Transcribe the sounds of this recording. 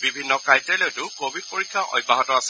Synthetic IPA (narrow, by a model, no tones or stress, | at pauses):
bibʱinːɔkajteletʊkobid̚poɹikʰːaʔɔ̰jbːaɦɔtɔasɛ